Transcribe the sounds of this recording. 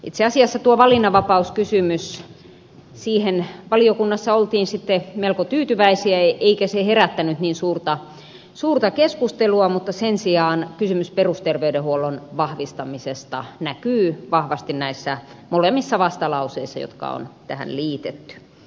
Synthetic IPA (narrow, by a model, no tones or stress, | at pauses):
ʔit̪seɑsiɑsːɑt̪uoʋɑlinɑʋɑpɑuskysymys | siːhenʋɑliokunːɑsːɑolt̪iːnsit̪ːemelkot̪yːt̪yʋæisiæeʔeikæseheræt̪ːænyt̪niːnsuːrt̪ɑ | suːrt̪ɑkeskust̪eluɑmut̪ːɑsensiɑːnkysymysperust̪erʋeydehuolonʋɑhʋist̪ɑmisest̪ɑ̰nækyːʋɑhʋɑst̪innæisːæ | molemːisːɑʋɑst̪ɑlɑuseisːɑjo̰t̪kɑ̰o̰nt̪æhæ̰nliːt̪et̪ːy̥